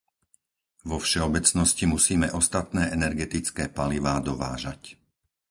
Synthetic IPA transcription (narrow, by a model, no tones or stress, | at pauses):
ʋɔfʃɛɔbɛt͡snɔscimusiːmɛʔɔst̪at̪nɛːɛnɛɾɡɛt̪it͡skɛːpaliʋaːd̪ɔʋa̰ːʒac